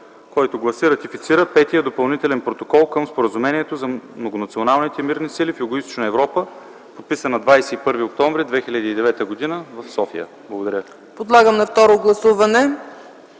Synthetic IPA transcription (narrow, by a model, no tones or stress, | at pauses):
kɔjt̪ʊɡlˠɐsiɾɐt̪ifit̪siɾəpɛt̪ijəd̪opɐlˠnit̪ɛlɛnpɾot̪okɔlˠkɤmspoɾəzumɛniɛt̪ozɐmnoɡonɐt̪sionalˠnit̪ɛmiɾnisilifjʊɡoist̪o̥t͡ʃnəɛvɾɔpə | pot̪pisənɐd̪vajsɛipɤɾviok̚t̪ɔɱvɾid̪vɛxilʲəd̪iːd̪ɛvɛt̪əɡod̪inəvəfsɔfijə̰ | blˠɐɡod̪ɐɾʲə | pod̪lˠaɡəmnɐft̪ɔɾoɡlˠɐsuvɐnɛ